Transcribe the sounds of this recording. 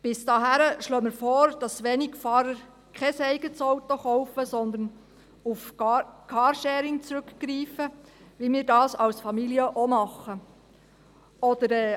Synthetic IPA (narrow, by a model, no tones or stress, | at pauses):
b̥ɪsd̥ɑːɦæɾəʃløːmɪɾfɔːɾd̥ɑsʋeːnɪɡfɑːɾəɾ | kʰɛsɛɪɡət͡sɔwt̪oχɔʊfəsɔnd̪ən | ufkʰɑːɾʃɛːɾɪŋt͡sɾʉkɡ̥ɾiːfə | ʋimiːɾdɑːsɑlsfɑmiliəʔomɑχə | ɔd̪əɾɛː